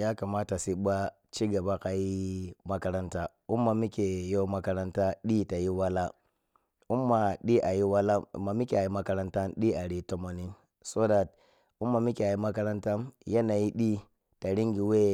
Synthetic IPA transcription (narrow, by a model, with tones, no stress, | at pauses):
ja˦ka˨ma˦ta˨si˦ɓa˦ | t͡ʃi˦ɡa˨ba˦ka˨ji˦ma˦ka˦ɾa˦nta˦ | u˦mːa˨mi˦ke˨jo˦ma˦ka˦ɾa˦nta˦ɗi˦ta˨ji˦wa˦la˦ | u˦mːa˨ɗi˦ʔa˨ji˦wa˦la˦˨ma˨mi˦kʲe˨a˨ji˦ma˦ka˦ɾa˦nta˦nɗi˦a˨ɾi˦to˦mo˨ni˦n | so˦da˨t̚ | u˦mːa˨mi˦ke˨a˨ji˦ma˦ka˦ɾa˦nta˦mja˦na˨ji˦ɗi˦ | ta˨ɾi˦ŋɡi˨we˦